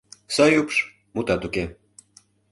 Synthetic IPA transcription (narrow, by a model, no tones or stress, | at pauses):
sɑjupʃ | mut̪ɑt̪uke